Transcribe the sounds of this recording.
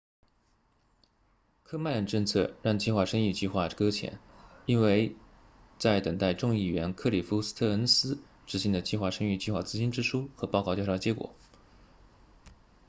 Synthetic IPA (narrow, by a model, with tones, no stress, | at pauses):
kʰɤ˥ma˥˩ɻə˨˥˩nʈ͡ʂɤ˥˧ŋt͡sʰɤ˥˧ɻɑ˥˩ŋt͡ɕi˥˧xwa˥˩ʂɤ˥ŋy˥˧t͡ɕi˥˧xwa˥˩kɤ˥t͡ɕʰjɛ̰˧˥ni˥nwe˥˧ɪ | t͡sa˥˩ɪt̪ə˨˩ŋt̪a˥˧ɪʈ͡ʂʊ˥˧ŋi˥˩ɥɛ˧˥nkʰɤ˥˩li˨˩fu˧˥s̩˥t̪ʰɤ˥˩ə˧˥nsɹ̩˥ | ʈ͡ʂɻ̩˧˥ɕi˧˥ŋd̪ə˨˩t͡ɕi˥˧xwa˥˩ʂɤ˥ŋy˥˧t͡ɕi˥˧xwa̰˥˩t͡sɹ̩˥˧t͡ɕi˥nʈ͡ʂɻ̩˥ʂʰu˥xɤ˧˥pɑ˥˧ʊkɑ˥˧t͡ɕjʂɑ˥˩ə˩t͡ɕjɛ˧˥kwɔ̰˨˩˦